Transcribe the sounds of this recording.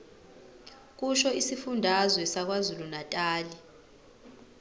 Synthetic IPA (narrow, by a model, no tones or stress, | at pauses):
k̬ʼuʃɔisifundʱazwɛsak̬wazulunatʼaːli